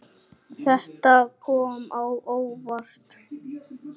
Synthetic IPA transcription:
θɛht̪akʰɔːmawoːwvar̥t̪

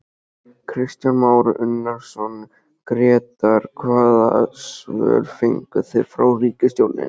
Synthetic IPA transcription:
kʰɾɪst̪janmaːwɾʏnːaɾ̥sɔn | kɾɛːt̪aɾ̥kʰvaːða̰svœ̰ːɾfeŋkʏθɪɾ̥fɾa̰wriːcɪst̪jowɾnɪ̰n

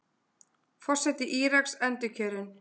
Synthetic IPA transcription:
fɔr̥sɛt̪ɪʔiːɾaksɛnt̪ʏcʰœːɾɪn

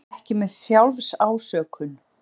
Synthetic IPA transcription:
hcɪmɛðsjawlvsaːwsœːkʰʏn

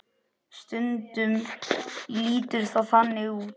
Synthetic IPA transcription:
st̪ʏnt̪ʏm | liːt̪ʏɾ̥θaðanːɪu

